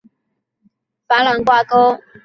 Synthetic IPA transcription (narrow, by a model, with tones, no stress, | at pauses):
fa˨˥la˨˧˥ŋkwa˥˨ko˥ʊ